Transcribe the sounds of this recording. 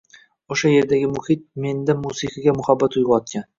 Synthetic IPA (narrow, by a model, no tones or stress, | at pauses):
oʃaje̞ɾd̪aɡʲɪmʊhit̪̚me̞nd̪amusiqɪɡʲamʊhabːat̪ʊjʁɑɒt̪̚kʲan